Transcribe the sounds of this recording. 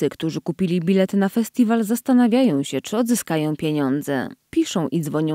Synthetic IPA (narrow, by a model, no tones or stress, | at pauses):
ɘkt̪uʐɘkupʲilʲibʲilɛt̪nafɛsʲt̪ʲivalzast̪anavʲjajɔ̃w̃ɕɛt͡ʂɘɔd̪zɘskajɔ̃w̃pʲjeɲɔnd̪zɛ̰pʲiʂɔ̃w̃ʔid̪zvɔɲɔ̃